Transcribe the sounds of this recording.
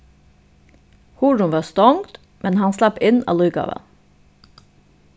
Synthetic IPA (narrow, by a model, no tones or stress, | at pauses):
huːɖʊnʋɑːst̪ɔŋt̪ | mɛnhɑnslɑpɪnɑ̰ːlʉʏɡɑ̰ːʋə̰n